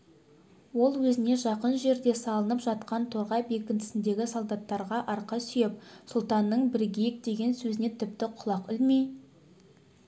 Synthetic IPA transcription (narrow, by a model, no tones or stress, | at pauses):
wo̞lˠwɵzɪne̞ʒɑqənʒe̞ɾd̪e̞sɑlˠənəpʒɑt̪qɑnt̪ʰoɾʁɑjbe̞kʲɪnt̪ɪ̥sɪnd̪e̞ɡʲɪsolˠd̪ɑt̪ːɑɾʁɑʔɑɾqɑsʏjepsʊlˠt̪ɑnːəɴbɪɾɡʲejk̚d̪e̞ɡʲe̞nsɵzɪne̞t̪ʰɪp̚t̪ɪqʰʊlˠɑqʏlmej